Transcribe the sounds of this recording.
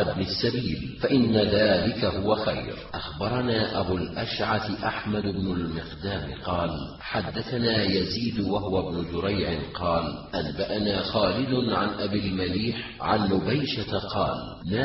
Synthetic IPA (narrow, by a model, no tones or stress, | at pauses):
ʔɪbnɪsːabiːlfaʔɪnːaðaːlɪkahʊwaxajɾʔaxbɑɾˤɑnaːʔabulʔaʃʕat̪ʔaħmad̪ɪbnʊlmɪqd̪aːmɪqɑːl | ħad̪ːaθanaːjaziːd̪waɦʊwabnʊd͡ʒʊɾajʕɪnqɑːlʔanbaʔanaːxaːlɪd̪ʊnʕanʔabilmaliːħ | ʕa̰nːʊbajʃat̪aqɑ̰ːl | na